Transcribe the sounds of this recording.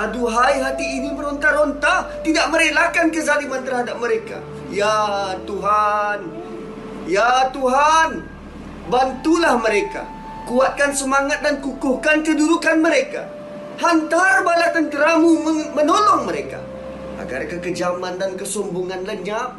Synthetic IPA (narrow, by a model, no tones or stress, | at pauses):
aduɦajɦat̪iːniməɾɔnt̪aɾɔnt̪aht̪idaʔməɾelakankəzalimant̪ərhadap̚məɾeka̰ | jat̪uɦan | jat̪uɦan | bant̪ulahməɾeka̰ | kuat̪̚kansəmaŋat̪̚dankukʊhkankəduɾukanməɾeka̰ | hant̪arbalat̪ant̪əɾamumənolɔŋməɾeka̰ | a̰ɡa̰rkəkəd͡ʒamandankəsɔmbuŋanləɲap̚